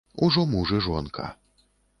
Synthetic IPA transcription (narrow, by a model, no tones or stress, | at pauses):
uʐɔmuʐɨʐɔnkʰɐ̰